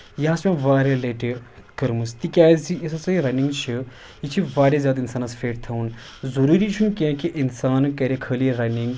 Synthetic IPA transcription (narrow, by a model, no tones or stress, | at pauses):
jɐasmʲẽʋaːɾeleʈikɐɾmust̪ikʲaːzijis̬ɐsɐiɾɐniŋɡt͡ʃʰi | it͡ʃʰiʋaːɾʲɐzjaːd̪insaːnɐsfʰeʈt̪ʰɐwn | zɐɾuːɾit͡ʃʰunkẽkeʔinsaːnkɐɾekʰəlieɾɐniŋɡ